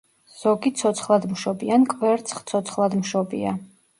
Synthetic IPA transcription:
z̥ɔɡit̪sʰɔt̪sʰχlˠad̪mʃɔbiankʼvɛɾt̪sʰχt̪sʰɔt̪sʰχlˠad̪mʃɔbḭa

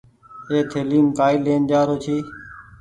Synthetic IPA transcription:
eːt̪ʰeːliːmkaːiːleːnd͡ʒaːɾoːt͡ʃʰiː

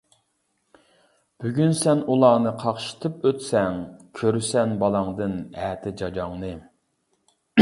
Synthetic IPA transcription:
b̥yɡʲynsɛnulˠɑːnɨqʰɑχʃi̥t̪ʰɨpøt̪sɛŋkʲʰøɾysɛnbɑlˠɑŋd̪ɨnɛːt̪ʰɪd͡ʒɑd͡ʒɑŋnɨ

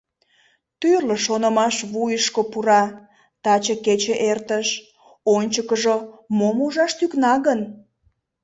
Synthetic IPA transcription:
t̪yrləʃonəmɑʃβujəʃkopuɾɑ | t̪ɑt͡ɕəket͡ɕeʔert̪əʃ | onʲt͡ɕəkəʒomomuʒɑʃt̪yknɑɣən

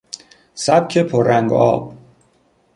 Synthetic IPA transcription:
sæb̚cʰepʰoɾːæŋɡɒ̰ːb̥

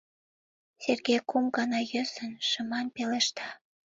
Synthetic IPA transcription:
serɡejkumɡɑnɑjøsənʃə̆mɑnpeleʃt̪ɑ

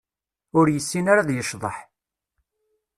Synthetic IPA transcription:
ʊɾjəsːinaɾaðjəʃðˤə̰ħ

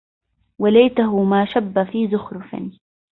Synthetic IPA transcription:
walajt̪aɦʊmaːʃabːafiːzʊxɾʊfɪ̰n

